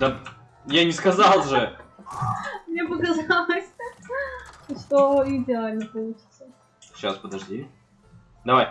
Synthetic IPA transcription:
d̪ɐ | janʲɪskɐzɑlˠʐɨ | mnʲebɨdʲɪavasʲt̪a | ʂt̪oidʲɪalʲnəpɐlˠut͡ɕɪ̥t̪sə | ɕaspəd̪ɐʐdʲi | d̪ɐvaj

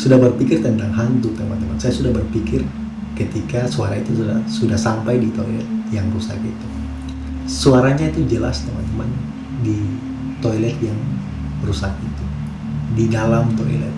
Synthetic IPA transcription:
sudahbərpikɪrt̪ənt̪aŋɦant̪ʊt̪əmant̪əmansajasudahbərpikɪr | kət̪ikasuaɾait̪us̬udasudahsampajdit̪oilɛt̪̚jaŋrusakḭt̪u | suaɾaɲait̪ud͡ʒəla̰st̪əma̰nt̪əman | di | t̪oilɛt̪̚jaŋ | rusak̚it̪u | didalamt̪oilɛ̰t̪̚

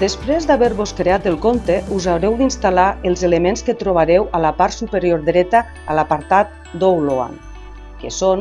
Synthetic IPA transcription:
d̪̥əspɾezd̪aβɛɾβoskɾeat̪əlˠkont̪eʔuzawɾɛwd̪inst̪alaəlˠzelemenskət̪ɾoβ̞aɾɛwalapaɾsupəɾjoɾd̪ɾɛt̪a | alapaɾt̪at̪̚ | d̪owloa̰n | keson

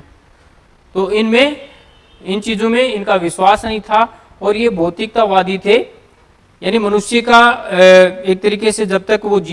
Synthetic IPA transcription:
t̪oːɪnmẽ | ɪnt͡ʃiːzõmẽɪnkaʋɪʃwaːsnɐɦĩt̪ʰa | ɔːɾjebʱɔːt̪ɪk̚t̪aʋaːd̪ʱit̪ʰeː | jaːnimɐnʊʃjika | eːk̚t̪ɐɾiːkesed͡ʒɐb̚t̪ɐkʋod͡ʒ

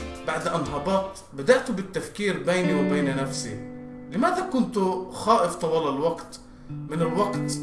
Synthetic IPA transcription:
baʕd̪ʔanɦɑbɑːt̪ | bad̪aʔt̪ʊbɪt̪ːafkiːɾbeːniwɪbeːnanafsḭ | lɪmaːðakʊnt̪ʊxaːʔɪft̪ˤɑwɑːlalwɑqt̪ | mɪnɪlwɑqt̪

